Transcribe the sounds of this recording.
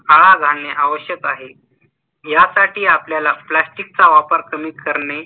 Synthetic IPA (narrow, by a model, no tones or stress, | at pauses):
aɭad͡zʱaneʔaʋəɕjəkaɦe | jasaʈiːapljalaplasʈik̚t͡saʋapəɾkəmiːkəɾɳe